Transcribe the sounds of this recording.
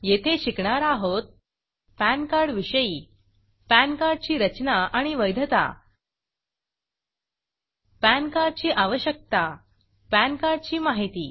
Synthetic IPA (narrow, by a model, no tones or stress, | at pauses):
jet̪ʰeɕikɳaɾaɦot̪̚ | pænkaɾɽʋiɕəjiː | pænkaɾɖ̚t͡ɕiːɾət͡ɕnaʔaɽ̃iʋəjd̪ʱət̪a̰ | pænkaɾɖt͡ɕiːʔaʋəɕjək̚t̪a | pænkaɾɖ̚t͡ɕiːmaɦit̪iː